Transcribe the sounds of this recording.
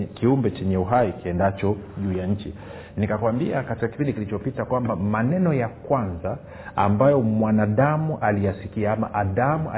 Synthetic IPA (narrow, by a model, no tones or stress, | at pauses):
kiumbɛt͡ʃɛɲɛuɦaikiɛndat͡ʃɔʄuːjaɲ̩t͡ʃḭ | nikakwambiakatikaki̥pindikilit͡ʃɔpitakwambamanɛnɔjakwanza | ambajɔmwanaɗamuʔalijasikiaama̰ʔaðamua